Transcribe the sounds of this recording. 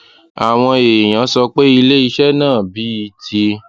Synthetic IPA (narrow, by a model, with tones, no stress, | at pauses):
a˨w̃ɔ̃˧e˨j̃ã˨˦sɔ˧k͡pe˦i˧le˦i˧ʃɛ˦nãː˦˨bi˨˦i˧tʰi˧